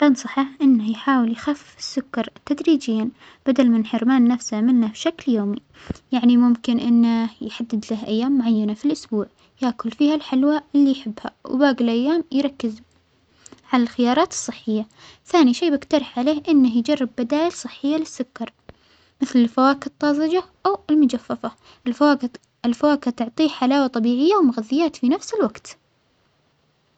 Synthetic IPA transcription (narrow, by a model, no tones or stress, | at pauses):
ʔɑnsˤɑħɑʔɪnːahjħaːwɪljxaf | ɪ̥sːʊkːɑɾˤt̪ːad̪ɾiːd͡ʒɪjːan | b̥ad̪almɪnħɪɾmaːnːafsamɪnːabʃakljoːmi | jaʕnimʊmkɪnʔɪnːajħad̪ːɪd̪lahʔajːaːmːʊʕajːanafilʔʊsbuːʕ | jaːkʊlfiːhalħɪlwaɪlːijħɪbːha̰w̰baːɡɪlʔajːaːmjɾˤɑkːɪz | ʕalalxɪjɑːɾˤɑːt̪ɨ̥sˤːɨħːɪjːa | θaːniʃeːbɪkt̪ɑɾˤɪħʕaleːhʔɪnːahjd͡ʒɑrˤːɪbːad̪aːjalsˤɨħːɪjːalɪsːʊkːɑɾˤ | mɪθlɪlfawaːkɨt̪ˤːɑːzˤɨd͡ʒaʔawɪlmʊd͡ʒafːafa | ɪl | ɪlfawaːkat̪ʊʕt̪ˤiːħalaːwat̪ˤɑbiːʕɪjːawmʊɣaðːɪjːaːt̪finafsɪlwaɡt̪